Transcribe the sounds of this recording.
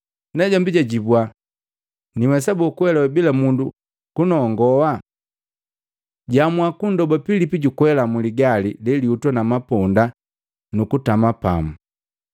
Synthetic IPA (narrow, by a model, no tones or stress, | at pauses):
nɛɟambiɟaɟibwa | niwɛs̬abɔkuwɛlawɛbilamundu | kunɔŋɡɔwa | ɟamuwakundɔbɔpilipiɟukwɛlamuliɡalililiutwanamapɔnda | nukutamapa̰mu